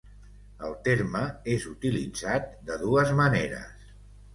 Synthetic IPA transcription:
ə̰lˠt̪eɾməezut̪ilḭd͡zat̪̚d̪əðuəzməneɾə̰s

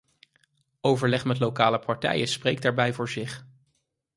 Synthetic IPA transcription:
owvəɹlɛχmɛtlokaːləpɑɹtɛ̰jəspreːjk̚daːɹbɛjvʊːɹzɪχ

